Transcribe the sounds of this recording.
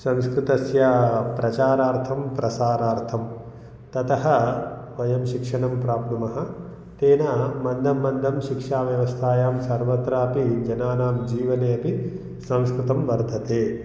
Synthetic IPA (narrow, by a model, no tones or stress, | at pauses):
sɐ̃mskɾut̪ɐsjɐpɾɐt͡ʃaːɾaːɾt̪ʰɐmpɾɐsaːɾaːɾt̪ʰɐm | t̪ɐt̪ɐɦɐʋɐjɐmʃikʂɐɳɐmpɾaːpnumɐɦɐ̆ | t̪eːnɐmɐnd̪ʱɐmːɐnd̪ʱɐmʃikʂaːʋjɐʋɐst̪ʰaːjaːmsɐɾʋɐt̪ɾaːpid͡ʒɐnaːnaːmd͡ʒiːʋɐneːɐpi | sɐ̃mskɾut̪ɐmʋɐɾd̪ʱɐt̪eː